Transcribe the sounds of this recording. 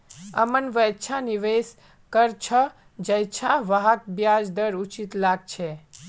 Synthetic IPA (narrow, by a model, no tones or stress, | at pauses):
əmənʋəjt͡ʃʰaniʋes | kəɾt͡ʃʰə | d͡ʒəjt͡ʃʰaʋaɦak̚bjad͡ʒd̪əɾut͡ʃit̪laɡ̚t͡ʃʰɛ